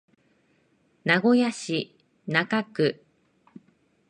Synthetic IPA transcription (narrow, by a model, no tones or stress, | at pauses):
naɡo̞jaɕi | nakakɯ̟